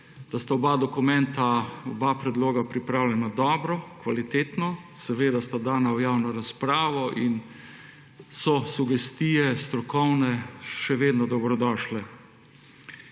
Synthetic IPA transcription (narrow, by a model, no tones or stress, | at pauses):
d̪̥ast̪aɔbad̪ɔkumɛ̃nt̪aɔbapɾɛd̪loːɡapɾipɾaːwlʲɛnad̪ɔːbɾɔkʋalit̪eːt̪nɔsɛʋeːd̪ast̪ad̪aːnawjawnɔɾaspɾaːʋɔʔin | sɔsuɡɛst̪ijɛst̪ɾɔkɔwnɛʃɛʋeːd̪nɔd̪ɔbɾɔd̪ɔːʃlɛ